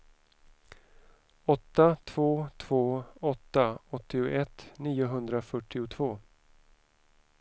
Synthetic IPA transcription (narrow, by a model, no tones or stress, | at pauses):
ɔt̪ːat̪ʰvoːt̪ʰv̥oːɔt̪ːaɔt̪ːɪʊʔɛt̪niːʊɦɵnd̪ɾafœʈːɪʊt̪ʰvoː